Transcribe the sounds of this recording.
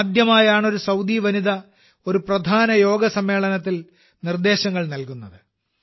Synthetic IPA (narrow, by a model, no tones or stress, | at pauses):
d̪jɐmaːjaːɳo̞ɾusɐwd̪iːʋɐniðɐ | o̞ɾuprɐd̪ʱaːnɐjo̞ːɡɐsɐmːe̞ːɭɐnɐt̪̬ːil | nird̪e̞ːɕɐŋːɐɭnɐlkunːɐðɨ